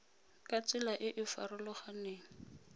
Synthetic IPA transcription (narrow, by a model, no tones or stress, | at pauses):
kʼat͡sɪlaʔɪʔɪfa̰rʊlɔχaneːŋ̩